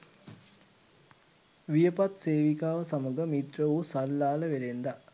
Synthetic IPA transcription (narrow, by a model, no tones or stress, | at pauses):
ʋijəpat̪seːʋikaːʋəsaməɡəmit̪rəʋusalːaːləʋelend̪a